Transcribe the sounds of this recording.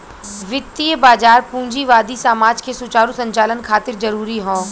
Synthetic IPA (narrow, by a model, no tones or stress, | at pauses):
ʋɪt̪ːijəbaːd͡ʒaːɾpũːɲd͡ʒiʋaːd̪isaːmaːd͡ʒkesʊt͡ʃaːɾũsɐ̃ɲt͡ʃaːlənkʰaːt̪ɪɾzɐɾuːɾiɦõː